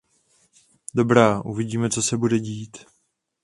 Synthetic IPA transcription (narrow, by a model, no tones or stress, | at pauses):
do̞bɾaːʔuvɪɟiːmɛt͡so̞sɛbudɛɟiːt̪